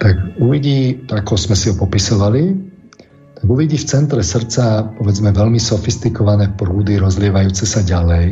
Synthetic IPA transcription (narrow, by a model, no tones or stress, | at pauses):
t̪akuʋiɟiːt̪akɔzmɛsiɦɔpɔpisɔʋali | t̪aɡuʋiɟiːft͡sɛnt̪ɾɛsr̩t͡sapɔʋɛd͡zmɛʋɛlmisɔfist̪ikɔʋanɛːpɾuːd̪iɾɔzlɪɛʋajuːt͡sɛsaɟalɛj